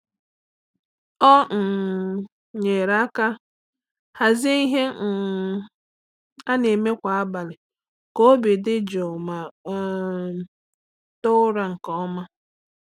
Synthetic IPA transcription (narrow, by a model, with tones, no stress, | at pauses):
ɔ˦˨ | ɲe˨ɾa˦ka˦ | ha˨zɪ˦i˦ɦe˦˨ | a˦ne˨me˦kʷa˨a˦ba˨lɪ˨ | ko˦o˦be˨dɪ˦d͡ʒɔ˨ma˨˦ | tʊ˦ɾa˨ŋ̩˨kɔ˦ɔ˦ma˦